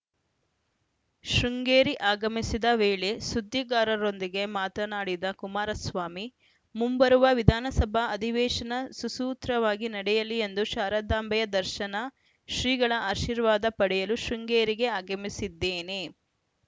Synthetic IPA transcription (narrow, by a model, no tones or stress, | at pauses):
ʃɾuŋɡeːɾiʔaːɡɐmisid̪ɐʋeːɭe̞sud̪ʱːiɡaːɾɐɾo̞nd̪iɡe̞maːt̪ɐnaːɽid̪ɐkumaːɾɐsʋaːmi | mumbɐɾuʋɐʋid̪ʱaːnɐsɐbʱɐɐd̪ʱiʋɛːʃɐnɐsusuːt̪ɾɐʋaːɡinɐɽɛjɐliend̪uʃaːɾad̪aːmbʱɐjɐd̪ɐɾʃɐnɐ | ʃɾiːɡɐɭɐaːʃiːɾʋaːd̪ɐpɐɽɛjɐluʃɾuŋɡeːɾiɡe̞aːɡɐmisid̪ːeːne̞